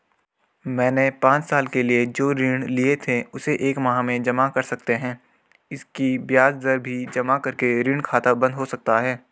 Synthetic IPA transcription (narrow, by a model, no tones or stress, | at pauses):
mɛ̃ːnepãːt͡ʃsaːlkelied͡ʒoːɾiːɽ̃liet̪ʰeʊseʔeːkmɐɦãmẽd͡ʒɐmakɐɾsɐk̚t̪eɦɛ̃ː | ɪskibjaːzd̪əɾbʱid͡ʒɐmakɐɾkeɾiːɳ̃kʰaːt̪abɐ̃nd̪ɦosɐk̚t̪aɦɛː